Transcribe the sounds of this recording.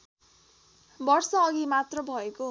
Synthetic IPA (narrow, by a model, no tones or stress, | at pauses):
bʌrsʌːɡimat̪rʌbʱʌeko